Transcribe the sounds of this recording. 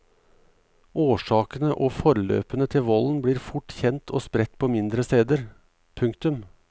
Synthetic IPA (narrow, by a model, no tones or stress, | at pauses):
oːʂɑːkənəʔoːfɔɾlø̰ːpənət̪ʰɪlʋɔln̩bɽiːɾfʊʈçɛnt̪ʰoːspɾɛt̪pʰoːmɪnd̪ɾəst̪eːd̪əɾ | pʰʉŋkt̪ʉm